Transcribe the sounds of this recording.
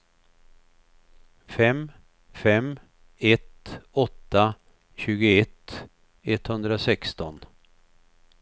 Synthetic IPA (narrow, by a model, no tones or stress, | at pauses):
fɛm | fɛm | ɛt̪ɔt̪ːa | ɕʉ̟ːɡʊɛt̪ː | ɛt̪ːhɵnd̪ɾasɛkst̪ɔn